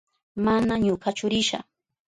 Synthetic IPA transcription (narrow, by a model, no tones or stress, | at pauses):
manaɲokat͡ʃʊɾɪʃa̰